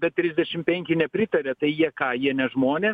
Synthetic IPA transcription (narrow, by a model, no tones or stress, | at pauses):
bʲɛt̪tːʲɾʲɪzʲd̪ʲɛʃʲɪmpʲɛŋʲkʲɪnʲɛpʲɾʲɪt̪ɐɾʲɛt̪ɐɪjiɛkɑːjiɛnʲɛʒmoːnʲeː